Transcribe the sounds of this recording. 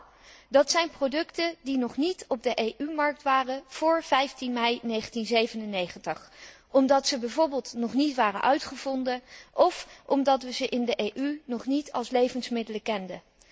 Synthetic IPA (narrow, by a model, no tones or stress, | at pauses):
dɑtsɛjnprowdɵktədinɔχnitɔb̚dəʔejʔymɑɹk̚tʋaːrəv̥ʊːɹv̥ɛjftinmɛjnejχəntinzejvənənːejχəntəχ | ɔmdɑtsəbɛjvʊːɹbɪːlˠtnɔχnitʋaːrə̰nʔœɥtχəv̥ɔndənɔfɔmdɑtʋəzəʔɪndəʔejʔynɔχnitʰɑ̰lˠslejvənsmɪdələkɛndə